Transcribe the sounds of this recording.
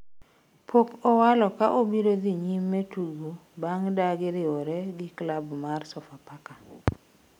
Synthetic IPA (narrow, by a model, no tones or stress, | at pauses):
pʰokɔwalɔkaʔobiɾod̪iɲimːɛtuɡobaŋdaɡɪɾɪɔɾɛɡɪklabmarsɔfapaka